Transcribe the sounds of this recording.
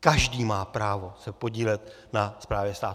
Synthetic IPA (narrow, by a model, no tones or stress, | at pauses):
kaʒdiːmaːpɾaːvo̞sɛpo̞ɟiːlɛt̪ | naspɾaːvjɛst̪aː